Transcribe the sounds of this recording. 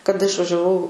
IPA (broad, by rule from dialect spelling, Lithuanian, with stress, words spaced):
kɐˈdɐ ɪʃʋɐʒʲɛˈʋɐʊ